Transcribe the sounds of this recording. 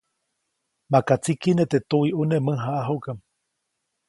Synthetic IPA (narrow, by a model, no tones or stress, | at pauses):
makat͡sikinet̪et̪uiʔunemɨ̃ɦaʔaɦokam